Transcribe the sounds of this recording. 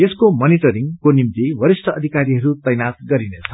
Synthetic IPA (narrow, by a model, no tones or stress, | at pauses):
eskomʌniʈʌɾiŋkonimt̪iwʌɾisʈʰʌʌd̪ʱikaɾiɦʌɾut̪ʌjnat̪̚ɡʌɾinet͡sʰʌ